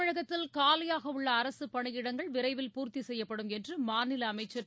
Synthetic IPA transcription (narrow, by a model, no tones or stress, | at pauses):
ɪɻɐɣɐt̪ːɪlkaːlɪjaːɣɐʊɭːɐːɾɐsɯpɐɳɯjɪɽɐŋɡɐɭʋɪɾɐɪʋɪlpuːɾt̪isɛjːɐpːɐɽɯmɛndrɯmaːnɪlɐːmɐɪt͡ʃːɐɾ